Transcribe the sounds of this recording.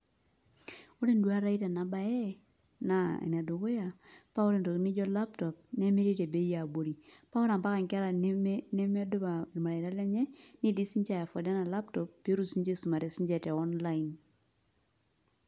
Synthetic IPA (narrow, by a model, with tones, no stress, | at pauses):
ʊ˦ɾe˦ndu˦a˦ɾa˦i˦ta˨na˨ba˨jɛ˦ | na˨ḛ˨na˨do˨kʊ˦ja˨pa˦ʊ˦ɾe˨ndo˨ki˦nɪ˦d͡ʒɔ˦la˦ptɔ˨p̚ne˦me˦ɾi˦te˨be˦ja˨bo˦ɾi˨pa˦ʊ˦ɾa˨mpa˦ka˨ŋka˦ɾa˨ne˦mɛ˦dʊ˦ba˨ma˨ɾa˨ɪ˨ɾa˦lɛ˦ɲɛ˦ni˦di˦si˦ɲt͡ʃa˦˨ja˨fɔ˨da˦na˨la˦ptɔ˨pːe˦ɾu˦si˦ɲt͡ʃe˦su˨ma˨ɾɛ˨si˦ɲd͡ʒɛ˦˨tɛ˨ɔ˦nla˦in